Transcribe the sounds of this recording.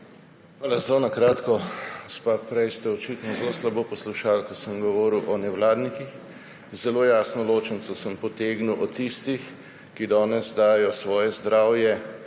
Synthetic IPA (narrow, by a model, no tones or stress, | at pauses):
xxʋaːlazlonakɾaːt̪kɔɡospapɾɛjst̪ɛɔt͡ʃit̪nɔzloslaboːpɔsluʃaːlkɔsəmɡɔʋɔːɾiwʔɔnɛwlaːd̪nikix | zɛlojaːsnɔloːt͡ʃɛnsɔsəmpɔt̪eːɡnuwʔɔt̪ist̪ix | kid̪ɔːnɛzd̪aːjɔsʋɔːjɛzd̪ɾaːwjɛ